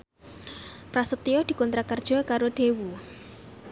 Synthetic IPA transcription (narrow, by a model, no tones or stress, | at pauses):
pɾasəp̚t̪iɔd̪̥i̤kɔnt̪ɾakərd̥ʒ̥ɔ̤kaɾod̪̥ewu